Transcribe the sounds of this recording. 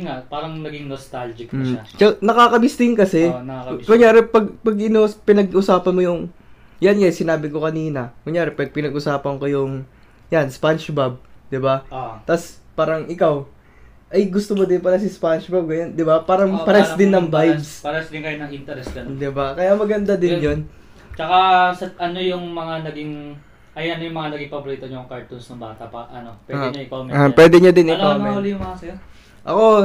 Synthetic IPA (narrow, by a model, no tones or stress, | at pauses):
ŋaʔpaːɾɐŋnɐɡɪŋnost̪ald͡ʒɪk̚ɐʃat͡ʃɐnɐkakɐbɪst̪ɪnŋkɐsɛnɐakʊŋjaːɾɪpɐɡ̚pɐɡʔɪnospɪnɐɡʔʊsaːpɐnmojʊŋ | janjajsɪnaːbɪko̞kɐniːnɐkʊŋjaːɾɪpɛd̪̚pɪnɐɡʔʊsaːpɐnkojʊŋ | janspant͡ʃbɐb̚d̪ɪbat̪ɐspaːɾɐŋʔɪkaw | ʔɐjɡʊst̪omod̪ɪnpɐɾɛsɪspanʃbab̚ɡɐɲand̪ɪbapaːɾɐŋpɐɾɛsd̪ɪnːɐŋbajbspɐɾɛsd̪ɪŋkɐjonɐŋʔint̪ɐɾɛsɡɐnd̪ɪbakɐjamɐɡɐnd̪ad̪ɪnjon | t͡ʃɐkasɐʔɐnojʊŋmɐŋanɐɡɪŋ | ʔɐjʔɐnojʊŋmɐŋanɐɡɪŋpɐbʊɾiːt̪oɲɐŋkɐɹt̪unsnɐŋbaːt̪ɐ̰pɐʔɐnopwɛɛɲoɪkawmɛpwɛd̪ɛɲod̪ɪnɛlaɐmɐoːlijʊŋmɐŋasɛ | ʔɐko̞